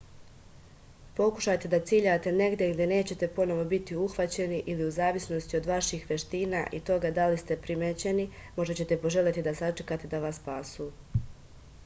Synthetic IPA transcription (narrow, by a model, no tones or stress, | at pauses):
po̞ku̥ʃajt̪e̞d̪at̪siːʎat̪e̞ne̞ɡd̪jeɡd̪je̞ne̞ːt͡ɕe̞t̪e̞po̞no̞ʋo̞bit̪iuxʋat͡ɕe̞niʔiliuzaːʋisno̞st̪io̞d̪ʋaʃiːxʋje̞ʃt̪iːnaʔit̪o̞ɡad̪alist̪e̞pɾimet͡ɕe̞nimo̞ʒdat͡ɕe̞t̪e̞po̞ʒe̞lʲjet̪id̪asat͡ʃekaːt̪ed̪aʋasːpaːsuː